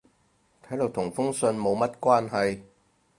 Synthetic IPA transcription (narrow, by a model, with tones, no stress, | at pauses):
t̪ʰɐ˨˥jlʊ˨k̚t̪ʰʊ˨˩ŋfʊ˥ŋsɵ˧nmo˨˧wmɐ˦˥t̚kwaː˥nɦɐ˨j